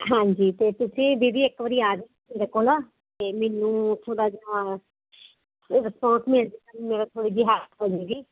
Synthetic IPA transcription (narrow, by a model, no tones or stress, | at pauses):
ɦãːɲd͡ʒiːt̪eːt̪ʊsĩːbiːbiːɪkʋəɾiːaːɡe | meːɾeːkoːlaː | t̪eːmeːnũːt̪ʰoːɽaːd͡ʒa | ɾɪspɔ̃ːɳʈmɪld̪iːkənmeːɾat̪ʰoːɽiːd͡ʒɪɦaːt̪poːd͡ʒeːɡiː